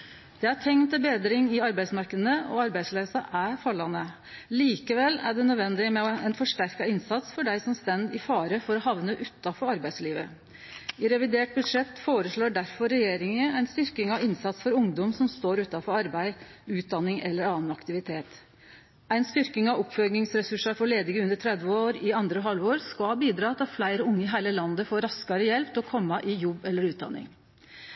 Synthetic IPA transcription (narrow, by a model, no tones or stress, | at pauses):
d̪̥ɛæʈʰɛŋnt̪əbeːd̪ɾɪŋɪɑɾbæɪsmɑɾkəd̪ənəʔɔ̰ɑɾbæɪsleːsɑʔæɾfɑlːɑnə | liːkəʋɛlːæ̰ɖɛnœd̪ʋɛnd̪ɪmɛɔænfɔʂʈæɾkɑɪnsɑt̪sfɔɖæɪsɔmst̪ɛnd̪ɪfɑːɾəfɔɾɔɦɑʋnəʔʉt̪ːɑfɔɾɑɾbæɪsliːʋə | ɪɾɛʋɪd̪eːʈ̚bʉd̪ʂɛt̪ːfoːɾəʂɭoːɖæɾfɔɾɛjeːɾɪŋəæɪnst̪ʏɾkɪŋɑʋɪnsɑt̪sfɔɾʊŋd̪ɔmsɔmst̪oːɾʉːt̪ɑfɔɾɑɾbæɪʉːt̪̚d̪ɑnːɪŋɛlːəɾɑːnɑkt̪ɪʋɪt̪ʰeːt̪ | æɪnst̪ʏɾkɪŋɑʋɔpfœlɡnɪŋsɾɛsʉʂɑɾfɔɭeːd̪ɪŋəʉnd̪əʈʰɾɛd̪ʋəoːɾɪɑnd̪ɾəɔɦɑlʋoːɾskɑlhɑbiːd̪ɾɑːt̪ʰɪflæɪɾəʊŋːəɪɦæɪləlɑnd̪əfoːɾɑskɑɾəjɛlpt̪ɔkʰɔmːɑʔɪjɔbːɛlːəɾʉːt̪̚d̪ɑ̰nːɪ̰ŋ